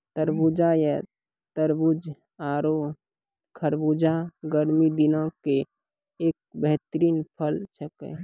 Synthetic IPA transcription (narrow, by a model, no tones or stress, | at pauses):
t̪əɾbud͡ʒajɛ | t̪əɾbud͡ʒ | aːɾo | kʰəɾbud͡ʒaɡəɾmid̪inãke | eːk̚bɛɦt̪ɾiːnpʰəlt͡ʃʰəkḛ